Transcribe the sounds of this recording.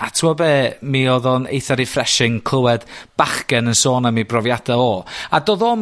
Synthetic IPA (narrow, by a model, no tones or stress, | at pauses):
atʰwɔbeːmiɔðɔnḛjθaɾifrɛʃɪŋkʰl̥ˠəwɛd̥b̥aχkɛnənsoːnamibrɔvjad̥aɔadoːðɔ